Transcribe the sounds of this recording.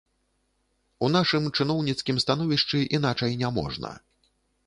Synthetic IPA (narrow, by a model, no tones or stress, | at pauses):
un̪aʂɨmt͡ʂɨnɔwnʲit̪skʲimst̪anɔvʲiʂt͡ʂɨʔinat͡ʂɐjnʲamɔ̰ʐnɐ̰